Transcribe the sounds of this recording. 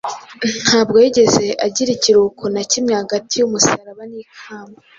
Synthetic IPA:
n̥haːbɡo̞jiɟe̞ze̞ʔaɟiɾiciɾukʰonacimɲehaɡatʰijumusaɾaβaniːkʰaːma

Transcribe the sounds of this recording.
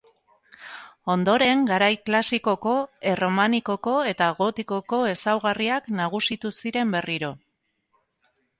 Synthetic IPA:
o̞nd̪o̞ɾe̞ŋɡaɾajklasiko̞ko̞ero̞maniko̞ko̞e̞t̪aɣo̞t̪iko̞ko̞e̞sawɣariaknaɣ̞usit̪usiɾe̞mbe̞riɾo̞

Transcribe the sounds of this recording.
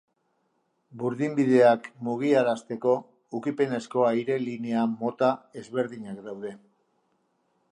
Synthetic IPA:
buɾðimbiðe̞akmuɣ̞iaɾast̪e̞ko̞ | ukipe̞ne̞sko̞ajɾe̞lineamo̞t̪ae̞zβe̞ɾðiɲakd̪awðe̞

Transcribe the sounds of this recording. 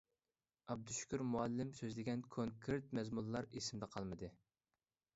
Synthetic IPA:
ɑb̚d̪uʃu̥kʲʰyɾmuɛlːɪmsøzlɪɡʲɛnkʰoŋkʰɾɪt̪̚mɛzmulˠːɑɾesɪmd̪ɛqʰɑlˠmɨd̪ɨ

